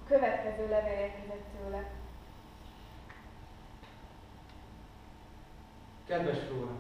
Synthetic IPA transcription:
køvɛt̪kɛzøːlɛveːɾɛk̪izɛt̪ːøːlɛ | kɛd̪vɛʃsoːɾɒ

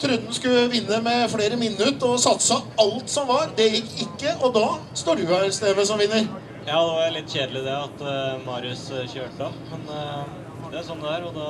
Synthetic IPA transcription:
t̪ʰɾʉd̪n̩skʉəʋɪnːəmɛfleːɾəmɪnːʉt̪ɔsɑt̪səɑlt̪sɔmʋɑɾd̪ɛjɪkːɪkːəʔɔd̪ɑːst̪oːɾʉhæɾst̪eːʋəsɔmʋɪnːəɾ | jɑːd̪ɛʋɑɾjælɪt̪ːɕeːd̪əlɪd̪ɛɑt̪mɑːɾɪʉsçøːʈəmɛn | d̪ɛæɾsɔnːd̪ɛhæːɾɔd̪ɑː

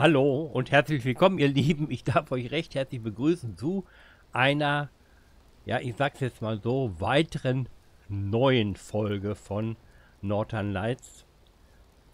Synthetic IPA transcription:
haloːʊnthɛɐt͡slɪçv̥ɪlkʰɔməniːɐliːbm̩ɪçd̥aɐfʔɔʏçʁɛçthɛɐt͡slɪçb̥əɡʁyːsn̩t͡su | ʔaɪnɐ | ja̰ːʔɪçz̥aːksjɛt͡stmaːlzoːvaɪtəʁənː | ɔʏənfɔlɡəfɔnː | ɔɐtʰanlaɪt͡s

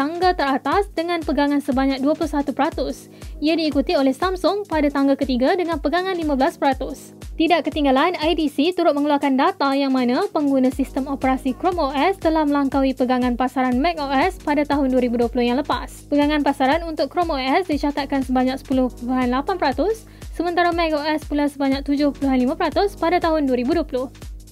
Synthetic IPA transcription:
t̪aŋɡat̪əɾat̪asdəŋãnpəɡaŋansəbaɲak̚duapulʊhsat̪upɾat̪ʊs | iadiːkut̪iolɛhsamsʊŋpadat̪aŋɡakət̪iɡadəŋãnpəɡaŋãnlimãbəlaspəɾat̪ʊs | t̪idaʔkət̪iŋɡalanajdisit̪uɾʊt̪̚mə̃ŋəluarkandat̪ajaŋmãnãpəŋɡunãsist̪əmopəɾasikɾɔmoʔɛst̪əlahməlaŋkawipəɡaŋãnpasaɾanmɛk̚oɛspadat̪aɦʊnduaɾibuduəpulʊhjaŋləpaspəɡaŋãnpasaɾanunt̪ʊkːɾɔmoɛsdit͡ʃat̪at̪̚kansəbaɲak̚sə̥pulʊpuɦanlapanpəɾat̪ʊsː | əmə̃nt̪aɾamɛk̚oɛspulawsəbaɲak̚t̪ud͡ʒʊhpuluɦanlimãpəɾat̪ʊspadat̪aɦʊnduaɾibuduəpulʊh

